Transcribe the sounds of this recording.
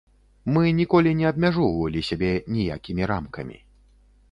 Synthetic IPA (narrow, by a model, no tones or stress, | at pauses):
mɨnʲikɔlʲinʲɛɐb̚mʲaʐɔwvɐlʲisʲabʲɛnʲija̰kʲimʲiɾamkɐmʲḭ